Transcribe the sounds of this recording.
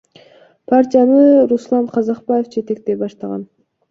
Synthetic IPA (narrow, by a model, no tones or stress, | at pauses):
pʰaɾtʲijanɯɾuslˠɑɴqʰɑzɑq̚baje̞fd͡ʒʰe̞t̪e̞k̚t̪e̞bɑʃt̪ɑʁɑ̰n